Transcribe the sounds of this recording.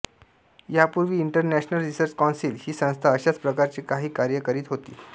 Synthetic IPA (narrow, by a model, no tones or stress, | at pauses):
japuɾʋiːiɳʈəɾnæɕnəlɾisəɾt͡ɕkɔnsiːlhiːsə̃w̃st̪ʰaəɕat͡spɾəkaɾt͡ɕiːkaɦiːkaɾjəkəɾiːt̪ɦot̪ḭː